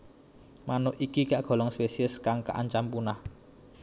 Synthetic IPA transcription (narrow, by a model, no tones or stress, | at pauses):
manʊhʔikikaʔɡ̥ɔ̤lɔŋspesiəskaŋka̰ʔa̰ɲt͡ʃampunah